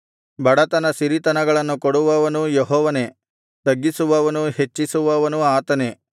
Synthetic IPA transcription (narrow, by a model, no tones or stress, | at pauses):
bʱɐɽɐt̪ɐnɐsiɾit̪ɐnɐɡɐɭɐnːukoɽuʋɐʋɐnujeɦɔːʋɐne̞ | t̪ɐɡːisuʋɐʋɐnuhet͡ʃːisuʋɐʋɐnuaːt̪ɐne̞